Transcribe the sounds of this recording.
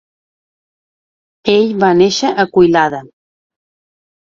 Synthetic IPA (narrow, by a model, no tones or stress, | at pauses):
eʎβaneʃəʔəkujlaðə